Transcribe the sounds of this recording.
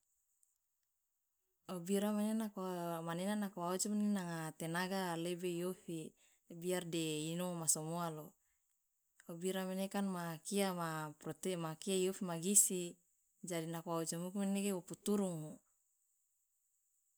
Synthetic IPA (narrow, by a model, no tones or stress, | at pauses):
obiɾamenenakmanenanakowaut͡ʃomenenaŋat̪enaɡalebeijofi | biardeinomasomoalo | obiɾamenekanmakiamaprɔt̪emakiaijofimaɡisi | d͡ʒadinakowaut͡ʃamukumeneɡewoput̪uɾuŋo